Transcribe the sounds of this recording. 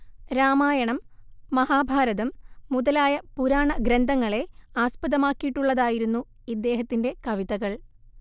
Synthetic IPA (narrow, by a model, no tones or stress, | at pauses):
ɾaːmaːjɐɳɐmːɐhaːbʱaːɾɐðɐmːuðɐlaːjɐpuɾaːɳɐɡɾɐnd̪ʱɐŋːɐɭe̞aːspɐðɐmaːkːijiʈːuɭːɐðaːjiɾunːu | id̪ːe̞ːɦɐt̪ːinde̞kɐʋiðɐɣɐɭ